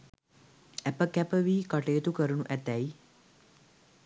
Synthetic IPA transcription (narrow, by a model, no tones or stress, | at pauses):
ɛpəkɛpəʋiːkəʈeːt̪ukəɾunuʔɛt̪ɛji